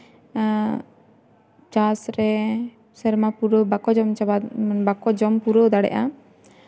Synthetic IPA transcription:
t͡ʃasɾɛ | sɛɾmapuɾəbakɔd͡ʒɔmt͡ʃababakɔd͡ʒɔmpuɾəd̪aɽɛ̰ʔa

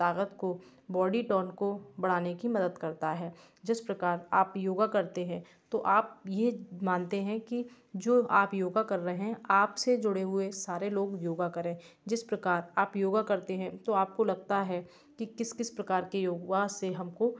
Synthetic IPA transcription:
t̪aːkət̪ko | bɔːɖiʈɔːnkobɐɽ̤aːnekimɐd̪əd̪kɐɾt̪aɦɛː | d͡ʒɪspɾɐkaːɾaːpjoːɡakɐɾt̪eɦɛ̃ː | t̪oʔaːp̚jemãːnt̪eɦɛ̃ki | d͡ʒoːaːpjoːɡakɐɾːɐɦeɦɛ̃aːpsed͡ʒʊɽeɦʊesaːɾeloːɡjoːɡakɐɾẽː | d͡ʒɪspɾɐkaːɾaːpjoːɡakɐɾt̪eɦɛ̃t̪oaːp̚kolɐɡ̚t̪aɦɛ | kikɪskɪspɾɐkaːɾkejoːɡaseɦɐmko

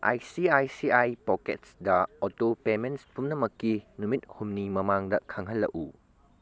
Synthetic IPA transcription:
ʔa̰jsiajsiajpɔkḛt̚sdɐɔtopemenspumnɐmɐkːinumit̚humnimɐmaŋdɐkʰɐŋɦɐlːɐ̰ʔu

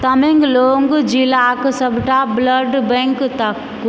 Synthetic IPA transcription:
t̪ɐmeŋɡloːŋɡd͡ʒilaksɐbʈabləɾɖbɛ̃ŋkt̪ɐkː

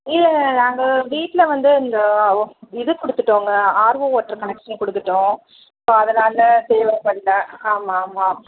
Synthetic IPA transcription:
ɪlɐnaːŋɡɐʋiːʈːlɐʋɐnd̪ɯɪnd̪ɐ | ɪðɯkɔɽɯt̪ːɯʈːoːŋɡɐaːɾʋooːʈːɐɾkɐnɛkʂɐnkɔɽɯt̪ːɯʈːʊ̃ | ɪpːɐɐðɐnaːlɐt̪eːʋɐpɐɭːɐaːmaːmaː

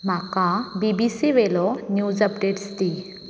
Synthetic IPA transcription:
m̤akãbibisiʋelɔnjud͡zəpɖeʈst̪i

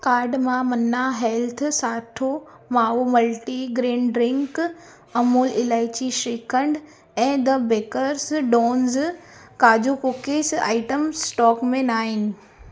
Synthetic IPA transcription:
kaːɾɖmãmɐnaɦɛlt̪ʰsaːʈʰo | maːɦomɐlʈiɡɾẽːɳɖɖɾɪ̃ŋk | ɐmoːlɪlaːɪt͡ɕiʃeːkʰə̃ɳɖ | ɛ̃ːd̪ɐbeːkəɾsɖɔːnz | kaːd͡ʑokʊkesa̰ːɪʈəmsʈɔːkmẽnaːɦɪnɪ̆

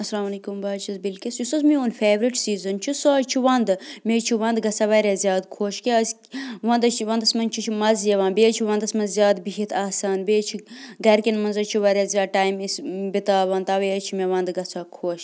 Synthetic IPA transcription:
ɐsɐlaːmɐlɐːkumbaːt͡ʃʰɐzbilkʲesjusɐzmioːnfeːʋɾiʈsiːzɐnt͡ʃʰisoːt͡ʃʰiʋɐnd̪meːt͡ʃʰiʋɐ̃nd̪ɡɐt͡sʰaːʋɐɾʲjaːzʲjaːd̪kʰoːʃkes | ʋɐnd̪ɐt͡ʃʋɐnd̪ɐsmɐnʲt͡ʃʰit͡ʃʰimɐzjɐʋãːnbeːt͡ʃʰiʋɐ̃nd̪ɐsmɐnzʲjaːd̪biɦit̪ʰaːsaːnbeːt͡ʃʰiɡɐɾkinmɐnzɐt͡ʃʰiʋɐɾʲazʲjaːʈaːjmisbit̪aːʋɐnt̪aʋet͡ʃʰimeʋɐnd̪ɡɐt͡sʰaːkʰoːʃ

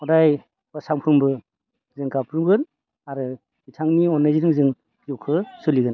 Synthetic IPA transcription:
ɔdaj | basaŋpʰɯmbɯ | zɯŋkapʰɾuɡɯn | aɾɯ | itʰaŋniɔnːajziɾɯŋzɯŋ | kiuwkʰɯsɯliɡɯn

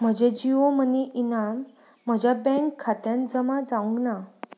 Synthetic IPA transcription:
m̤əd͡ʑed͡ʑiʋom̤əneʔinam̤ː | əd͡ʑjabɛ̃ŋkʰːat̪jãnd͡zəmad͡zaũŋɡna

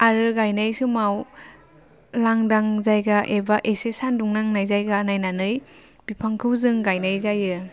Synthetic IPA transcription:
aɾɯɡajnajsumaw | laŋdaŋzajɡaʔebaʔesesanduŋnaŋnajzajɡanajnanɯj | b̥ipʰaŋkʰɯwzɯŋɡajnajzajɯ

